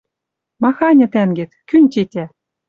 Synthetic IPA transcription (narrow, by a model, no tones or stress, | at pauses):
mɑxɑnʲɤ̆t̪æŋɡɘ̆t̪kynʲt̪ʲetʲæ